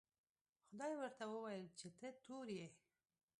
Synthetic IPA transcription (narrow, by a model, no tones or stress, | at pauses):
xʊd̪ɑjwəɾt̪awəwajəlt͡ʃet̪ət̪oɾje